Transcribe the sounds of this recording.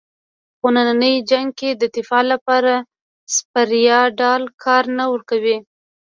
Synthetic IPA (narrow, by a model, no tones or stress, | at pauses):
xonananəjd͡ʒaŋɡ̚ked̪ət̪ɪfɑlapɑɾa | spaɾjɑɖɑlkʰɑɾnawəɾkawi